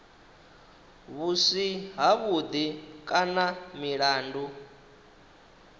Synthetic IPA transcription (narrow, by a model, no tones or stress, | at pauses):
βusiɦaβud̪ikʼanamiɺaːndu